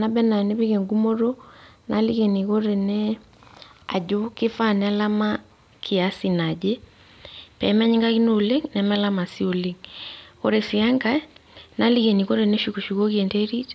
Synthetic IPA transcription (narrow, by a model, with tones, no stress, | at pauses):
na˦bɛ˦na˨ne˦βe˦ke˨ŋɡu˦mo˦ɾo˦na˨˦li˦ke˨ni˨ko˦ɾe˨nɛ˦ | a̰˨d͡ʒo˦ke˦fa˦˨na˦la˦ma˦ | kʰi˨a˨si˨na˨d͡ʒe˦ | pɛ˨˦m˦a˦ɲi˦ŋɡa˦ki˦no˨le˦ŋnɛ˨˦mɛ˦la˦ma˨si˦o˨le˦ŋko̰˦ɾe˨si˨a˦ŋɡa˦na˦li˦ke˨ni˨ko˦ɾe˨nɛ˦ʃu˨ko˨ʃu˨ko˦ki˦e˨nte˦ɾi˦t